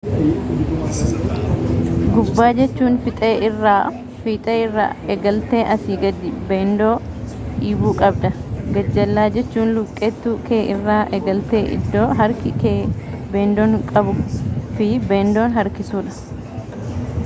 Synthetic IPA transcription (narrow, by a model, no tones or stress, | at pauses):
ɡʊbːaːd͡ʒɛt͡ʃːuːnfɪt̪ʼeːʔɪrːaː | fiːt̪ʼeːɪrːa̰ːʔɛɡɐlt̪e̞ːʔɐsiːɡɐd̪ːɪbeːnd̪o̞ːᶑiːbuːkʼɐbd̪ɐɡɐd͡ʒːɐlːaːd͡ʒɛt͡ʃːuːnlʊkʼːɛt̪ːuːkeːʔɪrːaːʔɛɡɐlt̪eːʔɪ̰d̪ːoːɦɐɾkɪkeːbeːnd̪oːŋkʼɐbʊfɪbeːnd̪o̞ːnɦɐɾkɪsuːᶑɐ̥